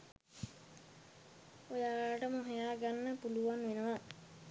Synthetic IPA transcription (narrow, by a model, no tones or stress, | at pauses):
ojaːʈəməɦejaːɡanːəpuluʋanʋenəʋa